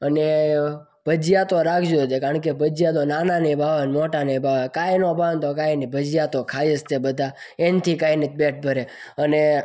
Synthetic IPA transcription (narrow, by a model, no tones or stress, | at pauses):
əne | b̥ʱəd͡ʒijat̪oɾakʰd͡ʒod͡ʒ̪ekaəɳkebʱəd͡ʒjat̪onananebʱaʋənmoʈanebʱaʋakajnobʱant̪okajnibʱəd͡ʒijat̪okʰaəst̪ebəd̪ʱa | ent̪ʰikainit̪̚beʈ̚ʰbʱəɾeəne